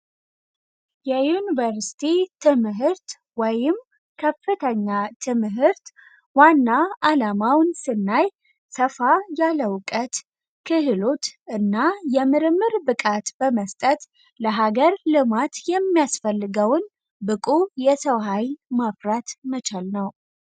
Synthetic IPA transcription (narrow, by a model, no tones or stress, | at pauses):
jɛjunivəɾsi̥t̪ʰit̪ʰɨmɦɨɾt̪ | wɔjɪm | kʰəfɨt̪ʰəɲːat̪ʰɨmɦɨɾt̪ | wanːaalamawnsɨnːaj | səfajaləwkʼət̪ | kʰɨhɨlot̪ɨnːajɛmɨɾɨmːɨɾbɨkʼat̪bəməst̪ʼət̪ | ləɦaɡəɾlɨmat̪jɛmːijasfəlːɨɡəwn | bɨkʼujɛsəwɦajmafɾat̪mət͡ʃalnəw